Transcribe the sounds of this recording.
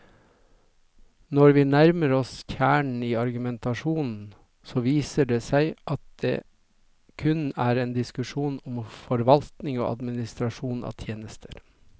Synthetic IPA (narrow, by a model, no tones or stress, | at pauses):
nɔɾʋiːnæɾməɾɔsçæːɳɳ̩iːɑɾɡʉmɛnt̪ɑʂuːnn̩ | soːʋiːsəɖeːsæɪʔɑt̪̚d̪̥ḛː | kʰʉnæːɾeːnd̪ɪskʉʂuːnʊmfɔɾʋɑlt̪nɪŋo̰ːʔɑ̰d̪mɪnɪst̪ɾɑʂuːnɑ̰ːt̪ʰjeːnəst̪ʰə̥ɾ